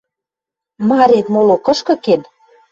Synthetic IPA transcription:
mɑɾet̪molokɤ̆ʃkɤ̆ken

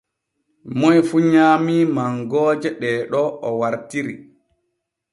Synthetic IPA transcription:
mɔjfuɲaːmiːmaŋɡɔːd͡ʒɛɗɛːɗɔɔwaɾtiɾḭ

